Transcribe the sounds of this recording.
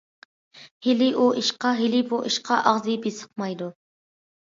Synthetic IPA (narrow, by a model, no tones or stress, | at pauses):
hɪlɪʔuiʃqɑɦɪlɪbuʔiʃqʰɑʔɑʁzɨbesə̥q̚mɑjd̪u